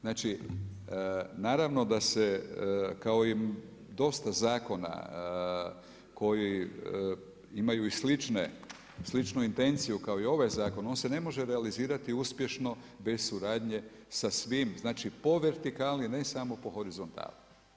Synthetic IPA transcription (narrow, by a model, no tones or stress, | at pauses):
znaːt͡ʃi | naːɾaʋno̞d̪asekao̞i | d̪o̞st̪azaːko̞na̰ | ko̞ji | imajuislit͡ʃne | slit͡ʃnuint̪e̞nt̪sijukaoio̞ʋajzaːko̞no̞ːnse̞ne̞mo̞ʒe̞ɾealiziːɾat̪iuspje̞ʃno̞ | be̞zsuɾaːd̪ɲe̞ | sasʋimznaːt͡ʃipo̞ʋe̞ɾt̪ikaːlnine̞samo̞po̞xo̞ɾizo̞nt̪a̰ːlu